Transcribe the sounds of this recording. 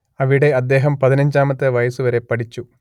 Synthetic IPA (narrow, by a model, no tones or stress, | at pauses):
ɐʋiɽeɐd̪ːeːɦɐmpɐðinɐɲd͡ʒaːmɐt̪ːɐʋɐjɐsuʋɐɾepɐɽit͡ʃːu